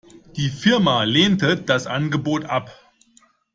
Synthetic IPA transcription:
d̥iːfɪɐmaleːntəd̥asʔa̰nɡəboːtʔap

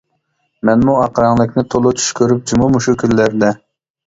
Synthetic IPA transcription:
mɛnmuɑqɾɑŋlˠɨkʲnɪt̪ʰolˠʊt͡ʃ̪ʰy̥ʃkʲʰøɾyp̚d͡ʒumumuʃukʲylːæɾd̪ɛ

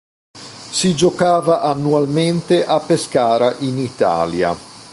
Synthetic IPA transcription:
sid͡ʒokaːvaʔanːualment̪eʔapːeskaːɾaʔinit̪a̰ːlja̰

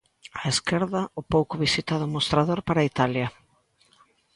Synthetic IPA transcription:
aeskeɾðɐʊpowkʊβisit̪aðʊmost̪ɾaðoɾpaɾait̪aljɐ

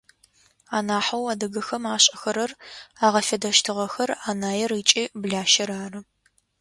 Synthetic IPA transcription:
aːnaːħɐwɐdɐɡɐxɐmaːɕʼɐxɐɾɐraːʁɐfɐdɐʃtʰɨʁɐxɐraːnaːjɛriːt͡ʃʼiːbɮaːʃɐɾaːrɐ

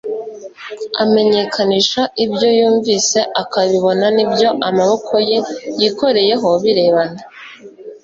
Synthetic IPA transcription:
ame̞ɲe̞kʰaniːʃaibjo̞juːɱviːse̞ʔakaβiβo̞nanibjo̞ʔamaβo̞kʰo̞je̞jiko̞ɾe̞je̞ɦo̞βiɾe̞ːβana

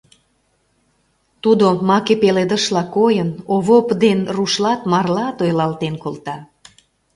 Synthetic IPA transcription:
t̪ud̪omɑkepeled̪əʃlɑkojənoβopd̪enruʃlɑt̪mɑrlɑt̪ojlɑlt̪enkolt̪ɑ

